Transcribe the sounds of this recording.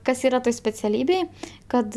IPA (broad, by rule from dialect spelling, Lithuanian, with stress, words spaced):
ˈkɐs ˈiːrɐ ˈtoːj sʲpʲɛt͡sʲɛˈlʲiːbʲeːj ˈkɐt